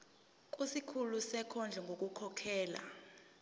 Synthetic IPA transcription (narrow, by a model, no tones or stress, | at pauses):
k̬ʼusikʰulusɛkʰɔnd͡ɮʱɛŋɡʱok̬ʼukʰɔkʰɛːla̰